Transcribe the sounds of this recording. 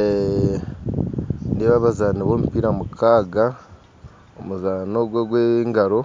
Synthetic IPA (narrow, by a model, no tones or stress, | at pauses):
neβaβazaːniβoːmupiːɾamukʰaːɡa | omuzaːnoɡwoɡweŋɡaɾo̞